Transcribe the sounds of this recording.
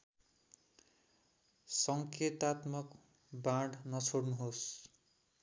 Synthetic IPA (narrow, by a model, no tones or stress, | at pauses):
sʌŋket̪at̪mʌk | bãɽnʌt͡sʰoɽnuɦos